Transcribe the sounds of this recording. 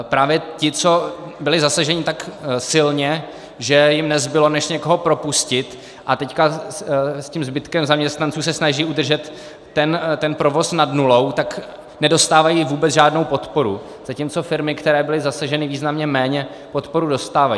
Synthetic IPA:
pɾaːvjɛcɪt͡so̞bɪlɪzasaʒɛɲɪt̪aksɪlɲɛ | ʒɛjɪmnɛzbɪlo̞nɛʃɲɛko̞ɦo̞pɾo̞puscɪt̪ | ʔat̪ɛcka | scimzbɪt̪kɛmzamɲɛst̪nant͡suːsɛsnaʒiːʔud̪r̩ʒɛt̪ː | ɛnt̪ɛnpɾo̞vo̞snadnulo̞wt̪ak | nɛdo̞st̪aːvajiːvuːbɛt͡sʒaːdno̞wpo̞t̪po̞ɾṵ | z̥acimt͡so̞fɪɾmɪkt̪ɛɾɛːbɪlɪzasaʒɛnɪviːznamɲɛmɛːɲɛ | po̞t̪po̞ɾudo̞st̪aːvaj

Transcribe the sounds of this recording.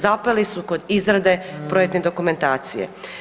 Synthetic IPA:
zapelisuko̞d̪izɾad̪e̞pɾo̞jek̚t̪ned̪o̞kume̞nt̪aːt̪sijḛ

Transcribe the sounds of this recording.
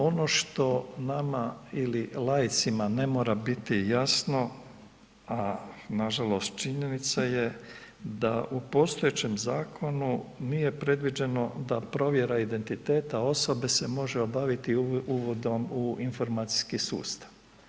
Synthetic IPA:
o̞no̞ʃt̪o̞namaililˠaːjit̪simane̞mo̞ːɾabit̪ijasno̞ | anaʒalˠo̞st̪̚t͡ʃiɲe̞nit̪saje | d̪aʔupo̞st̪o̞jet͡ɕe̞mzaːkʰo̞nunije̞pɾe̞d̪ʋid͡ʑe̞no̞d̪apɾo̞ʋje̞ɾaid̪e̞nt̪it̪e̞ːt̪ao̞so̞be̞se̞mo̞ʒeobaʋit̪iuʋo̞d̪o̞muinfo̞ɾmaːt̪si̥skisṵːst̪ḁʋ

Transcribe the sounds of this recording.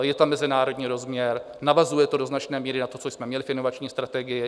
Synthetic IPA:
jɛt̪amːɛzɪnaːɾo̞dɲiːɾo̞zmɲɛɾ | navazujɛt̪odo̞znat͡ʃnɛːmiːɾɪnat̪o̞t͡sojsmɛmɲɛlɪfɪnovat͡ʃɲiːst̪ɾat̪ɛɡɪjɪ

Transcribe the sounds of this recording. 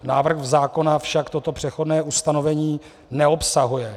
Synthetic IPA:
naːvr̩ɣzaːko̞nafʃakt̪o̞t̪o̞pr̝̥ɛxo̞dnɛːʔust̪ano̞vɛɲiː | nɛo̞psaɦujɛ

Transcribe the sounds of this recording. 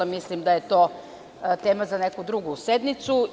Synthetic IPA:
amislimd̪aje̞t̪o̞ː | t̪e̞ːmazanekud̪ɾuɡused̪nit̪su

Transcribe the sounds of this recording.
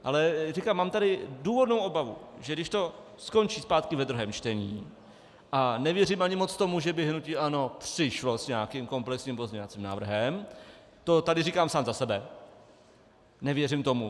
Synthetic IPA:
ʔalɛrɪkamaːmt̪adɪduːvo̞dnowʔo̞bavṵʒɛɡdɪʃt̪o̞ | sko̞nt͡ʃiːspaːt̪kɪvɛdɾuɦɛːmt͡ʃt̪ɛɲiː | ʔanɛvjɛrimʔaɲɪmo̞t͡st̪o̞muʒɛbɪɦnucɪʔano̞pr̥ɪʃlo̞sɲɛakimko̞mplɛksɲimpozɲɛovat͡siːmna̰ːvr̩ɦɛm | t̪o̞t̪adɪrikaːmsaːmzasɛbɛ | nɛvjɛrimt̪o̞mu

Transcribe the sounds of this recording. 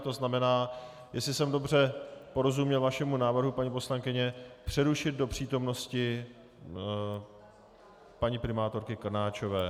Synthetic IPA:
t̪o̞znamɛnaː | jɛslɪsɛmdo̞br̝ɛpo̞ɾo̞zumɲɛlvaʃɛmunaːvr̩ɦupaɲipo̞slaŋkɪɲɛpr̝̥ɛɾuʃɪd̪̚do̞pr̥iːt̪o̞mno̞scɪ | paɲɪpɾɪmaːt̪o̞ɾkɪkr̩naːt͡ʃo̞vɛː

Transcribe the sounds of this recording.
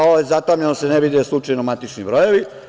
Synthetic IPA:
ojezat̪aːmʎenoseneʋid̪eslˠut͡ʃajnomat̪it͡ʃnibɾoje̞ʋi

